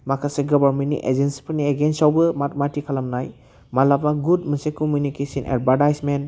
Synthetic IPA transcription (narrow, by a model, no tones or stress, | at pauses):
makʰaseɡɔbaɾmentnḭʔḛd͡ʒensi̥pʰɯɾnieɡensawbɯmatmatikʰalamnaj | malapnaɡud̚mɯsekɔmjunikesinʔḛdbaɾtajsmen